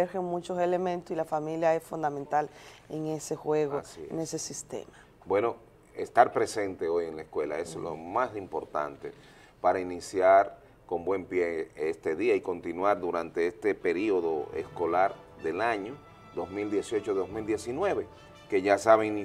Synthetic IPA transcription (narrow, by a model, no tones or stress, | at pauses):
eɾxeŋmũt͡ʃosele̞mẽnt̪osilafamiljae̞sfund̪amẽnt̪aleŋe̞se̞xwe̞ɣoḛnesesist̪ḛma | bwe̞no̞ | e̞st̪aɾpɾe̞se̞nt̪e̞o̞jeŋlaeskwe̞la̰e̞slo̰mazðimpo̞ɾt̪a̰nt̪e̞ | paɾainisjaɾ | ko̞mbwe̞mpjeest̪e̞ðiaiko̞nt̪inwaɾðuɾant̪e̞est̪e̞pe̞ɾio̞ðo̞̰ḛsko̞laɾ | d̪elaɲo | d̪o̞zmild̪je̞sjo̞t͡ʃoðozmild̪je̞sinwe̞βe̞ | ke̞ʝasaβeŋni